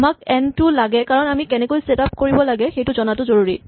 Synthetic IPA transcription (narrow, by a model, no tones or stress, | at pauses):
mak̚ɛntulaɡɛkaɹɔnamikɛnɛkojsetap̚koɹibɔlaɡɛxejtʊzɔnatʊzoɹuɹi